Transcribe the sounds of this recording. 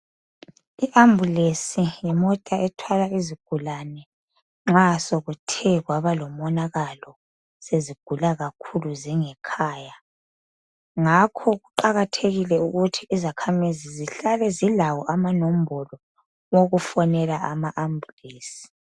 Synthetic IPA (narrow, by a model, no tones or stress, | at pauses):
iʔambʱulesijɛmɔtʼaɛtʰwalaiziɡ̥ʱulanɛ | ŋ͡ǁasoɣutʰɛɣwaβalɔmɔnaɣalɔ | seziɡ̥ʱulaɣakʰuluziŋɛkʰaːja | ŋakʰɔɣuǃaɣatʰeɣilɛuɣutʰiizakʰamiziziɬalɛzilawɔʔamanom̩bʱɔlɔ | woɣufɔnɛlaamaʔambʱuleːsi̥